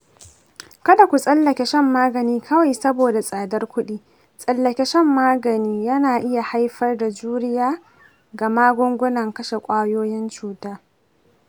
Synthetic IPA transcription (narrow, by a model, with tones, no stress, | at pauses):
kɐ˦da˨kʷu˨sʼɐ˦lːɐ˨kʲe˨ʃɛ˦mːaː˦ɡɐ˨niː˦kʰɐ˦wa˨jsɐ˦boː˨da˨sʼaː˨dɐ˦rkʷʊ˦ɗiː˦ | sʼɐ˦lːɐ˨kʲe˦ʃɛ˦mːaː˦ɡɐ˨niː˦jɐ˦naː˨ʔɪ˦ja˨ha˦jɸɐ˦rda˨d͡ʒuː˦ɾɪ˦jaː˦ | ɡa˨maː˦ɡʷʊ˦ŋɡʷʊ˦nɐ˨ŋkɐ˦ʃe˨kʷʼaː˦joː˦jɪ˦nt͡ʃuː˨taː˦